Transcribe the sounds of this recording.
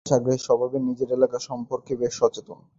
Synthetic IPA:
ʃaɡɾeʃɔbʱabenid͡ʑeɾelakaʃɔmpoɾkebeʃɔt͡ɕet̪on

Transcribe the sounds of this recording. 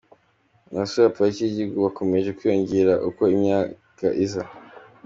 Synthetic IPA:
nasujapaiciɟiɡuβako̞me̞ʒe̞kwijoɲɟiɾaʔuko̞imɲaː | kaʔiza

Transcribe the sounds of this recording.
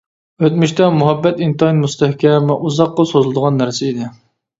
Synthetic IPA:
øt̪myʃt̪ɛmuɦɛbːɛt̪int̪ɑinmust̪ɛhkʲɛmɛʔuzɑqːəsozɨlˠɨd̪əʁɑnːæɾsɪid̪ɪ

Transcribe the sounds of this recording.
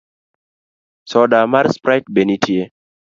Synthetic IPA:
sɔdamaɾspɾajt̚benitʰije

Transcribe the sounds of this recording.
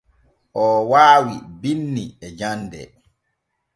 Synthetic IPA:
ʔɔːwaːwibinːiɛd͡ʒandɛ̰

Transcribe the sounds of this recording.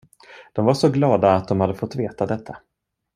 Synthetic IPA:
d̪̥ɔmvaʂɔɡlɑːd̪aːt̪̚d̪ɔmhad̪ːəfɔt̪ːveːt̪ad̪ɛt̪ʰːa

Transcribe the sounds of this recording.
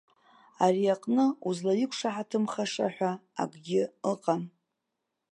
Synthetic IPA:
ariaqʼnɨuzlajikʷʰʂaħatʰɨmχaʂa̰ħʷᶣaa̰ɡʼɡʲɪəqʼan

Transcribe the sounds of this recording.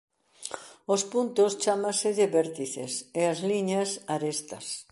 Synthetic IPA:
ospunt̪ost͡ʃamasɪðɪβɛɾt̪iθḛseazliɲɐsaɾest̪ɐ̰s

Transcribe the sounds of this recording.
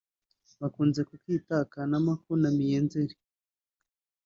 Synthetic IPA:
βakuːnze̞kukiːtakanamakuɾnamijeːnzeɾi

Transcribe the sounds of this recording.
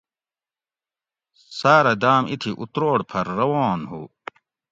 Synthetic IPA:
saːɾɐd̪aːmʔit̪ʰiʔut̪ɾoːɽpʰɐɾːɐwoːnhṵ

